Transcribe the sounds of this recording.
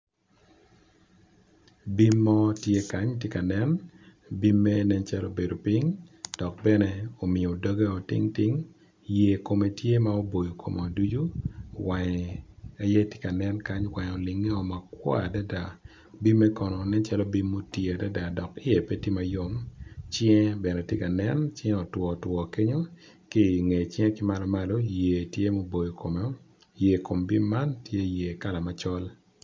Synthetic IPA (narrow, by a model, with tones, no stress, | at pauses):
bi˦mːɔ˦tje˦ka˨˦ɲtje˦ka˨nɛ˦n | bi˦mːɛ˦nɛ˦nt͡ʃa˦lo˦be˨do˨pi˦ŋd̥ɔ˨k̚bɛ˦nɛ˦o˨mɪ˨o˨do˦ɡa˦o˨tɪ̰˦ŋtɪ˦ŋ | je˨ko˨me˨tje˦ma˦o˦bo˨jo˨kʰo̰˨mɔ˨a˨du˦d͡ʒu˦wa˨ɲ˨a˨˦jɛ˦te̥˦ka˨nɛ˦nka˦ɲwa˨ɲ˨o˨lɪ˨ŋːe˦ɔ˨ma˨kwɔ̰˦a˨da˦da˨ | bi˦mːɛ˦kɔ˨nɔ˨nɛ˦t͡ʃa˦lɔ˦bi˦mːo˦tje˨a˨da˦da˨dɔ˨kɪ˦je˨pe˦ti˦ma˨jo˦mt͡ʃɛ̃˦bɛ˨nɛ˨tje˦ka˨nɛ˦nt͡ʃɛ̃˦ɔ˨twɔ˨twɔ˨ke˦ɲo˦ | ki˦ŋe˨t͡ʃɛ̃˦kɪ˦ma˦lɔ˦ma˦lo˦je˨tje˦mo˦bo˨jo˨kʰo˨mɛ˨ɔ˦ | je˨ko˨mbi˦mːa˦ntje˦je˨ka˦la˨ma˦t͡ʃɔ˦l